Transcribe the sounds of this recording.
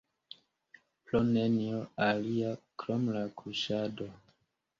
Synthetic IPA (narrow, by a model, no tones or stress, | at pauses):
plonenioaliakɾomlakʰuʃado̞